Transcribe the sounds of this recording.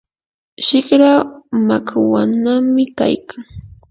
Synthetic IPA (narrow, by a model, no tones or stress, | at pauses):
ʃɪkɾaːmakawanamɪka̰jkʰaŋ